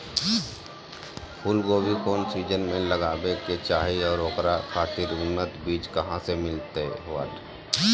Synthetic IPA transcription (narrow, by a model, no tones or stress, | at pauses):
pʰuːlɡoːbʱikoːnsiːd͡ʒənmẽləɡaːbeket͡ʃaːɦiɔːɾoːkɾakʰaːt̪iɾʊnːət̪biːd͡ʒkəɦãsemɪlt̪eɦʋə̰ʈ